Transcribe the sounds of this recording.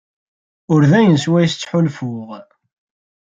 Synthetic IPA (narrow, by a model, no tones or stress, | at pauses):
ʊɾðæjənswæjst͡sːħʊlfʊʁ